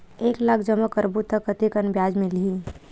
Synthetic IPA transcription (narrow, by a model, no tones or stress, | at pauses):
eːklaːkʰd͡ʒəməkəɾbut̪ːəkːət̪ikənbjaːd͡ʒmẽliiː